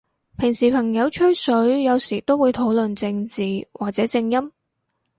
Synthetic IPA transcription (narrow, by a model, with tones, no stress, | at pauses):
pʰɪ˨˩ŋsiː˨˩pʰɐ˨˩ŋjɐ˨˧wt͡ʃʰɵ˥sɵ˨˥ɥjɐ˨˧wsiː˨˩t̪o˥wuː˨˧jt̪ʰo˨˥wlɵ˨nt͡sɪ˧ŋt͡siː˨˩wʔaː˨k̚t͡sɛː˨˥t͡sɪ˧ŋjɐ˥m